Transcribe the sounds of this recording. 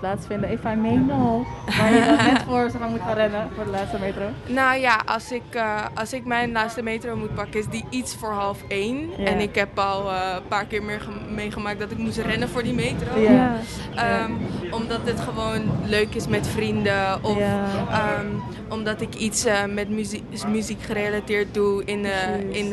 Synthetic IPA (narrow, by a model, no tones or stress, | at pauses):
plaːtsfɪndəefəɛmejnoʋaːɹəɛfoɹsfamutχãnrɛnəfʊːɹdəlaːtstəmeːtrownowjaʔɑ̰lsɪkəɑlˠsɪkmɛjnlaːtstəmejtrowmut̚pɑkəɪzdiʔitsfʊːɹɦɑlˠfejnɛnɪkɦɛpɔlˠəpaːɹkɪːɹmɪːɹəmejχəmaːk̚dɑtɪkmut̬rɛnəvʊːɹdimejtrow | əmɔmdɑtətχəʋownløɥkɪsmɛtfrindəɔfəm | ɔmdɑtɪkitsəmɛtmyzi | myzikχəɾejlatɪːɹt̚duɪnəɪn